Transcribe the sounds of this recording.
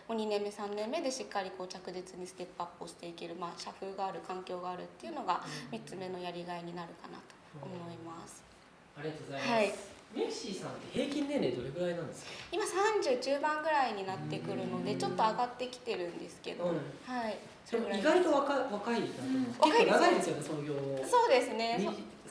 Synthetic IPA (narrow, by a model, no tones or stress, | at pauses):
mo̞ɲ̟inẽ̞mːe̞sãnːẽ̞mːe̞d̪e̞ɕikːaɾʲiko̞ːt͡ɕakɯ̟ʑit͡sɨɲ̟isɨ̥t̪e̞pːapːoɕi̥t̪e̞ike̞ɾɯ̟maːɕaɸɯ̟ːɡaːɾɯ̟kãŋkʲo̞ːɡaːɾɯ̟t̪ːe̞iɯ̟no̞ɡamʲitt͡sɨme̞no̞jaɾʲiɡaiɲ̟inaɾɯ̟kana̰t̪o̞̥ːmo̞imasɨ̥ | aɾiat̪ohaimeɕiːsãnt̪ːehe̞ːkʲĩnːẽ̞nɾed̪o̞ɾe̞ɡɯ̟ɾainãnd̪eskḁimasãɲd͡ʑɨːd͡ʑɨːbãŋɡɯ̟ɾaiɲ̟inat̪ːe̞kɯ̟ɾɯ̟no̞d̪e̞t͡ɕo̞t̪ːo̞aɡat̪ːe̞kʲi̥t̪e̞ɾɯ̟̃nd̪e̞sɨ̥ke̞̰d̪o̞hai | soɡɯiɡaɾit̪o̞βakaβakaik̪ãβʔaenaɡaid̪esɨjonesonoɡʲoːso̞ːd̪e̞sɨne̞